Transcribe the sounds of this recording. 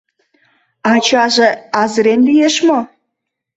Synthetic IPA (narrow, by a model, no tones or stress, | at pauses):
ɑt͡ɕɑʒeɑzəɾenlijeʃmo